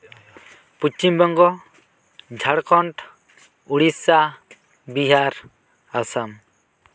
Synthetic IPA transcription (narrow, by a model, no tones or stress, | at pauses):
put͡ʃimbɔŋɡɔ | d͡ʒʱaɽkʰɔɳʈ | uɽisa | biɦaɾ | asam